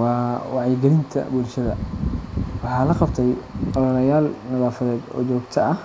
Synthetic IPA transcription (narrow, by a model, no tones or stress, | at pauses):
wɑːwɑʕjɪɡɛlɪnt̪ʰɐ̰bʊlʃɐðɐ | wɑħɑːlɐqɑbt̪ʰɛjqɑðɐlɐjaːlnɐðaːfɐðɛːd̪ɔ̰ːd͡ʒɔːɡt̪ʰɐʔɐh